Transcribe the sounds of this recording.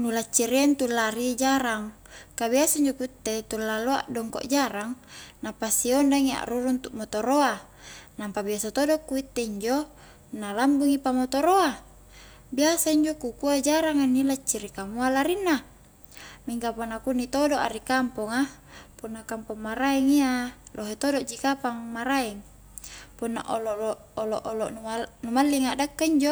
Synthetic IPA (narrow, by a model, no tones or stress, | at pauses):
nulat͡ʃːiɾiant̪ulaɾid͡ʒaɾaŋ | kabiasaiɲd͡ʒokuit̪ːet̪ulːaloaʔdɔŋko̰ʔd͡ʒaɾaŋnapasiondaŋia̰ʔruɾuunt̪ukmot̪oɾoa | nampabiasat̪odokuit̪ːeiɲd͡ʒo | nalambuŋipamot̪oɾoa | biasaiɲd͡ʒokukuad͡ʒaɾaŋanilat͡ʃːiɾikamualaɾinːa | miŋkaponakunit̪odoʔa̰ɾikampoŋa | punːakampɔŋmaɾaɛŋialʔoɦet̪odoʔd͡ʒikapaŋmaɾaɛŋ | punːa̰ʔolo | oloʔoloʔunumalːiŋaʔdakːaiɲd͡ʒo